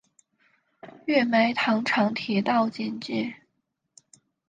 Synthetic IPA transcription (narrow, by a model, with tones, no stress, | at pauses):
ɥɛ˥˩me˧˥ɪt̪ʰɑ˧˥ŋʈ͡ʂʰɑ˧˥ŋt̪ʰi˨˥t̪ɑ˥˧ʊt͡ɕi˥˧nt͡ɕi˥˩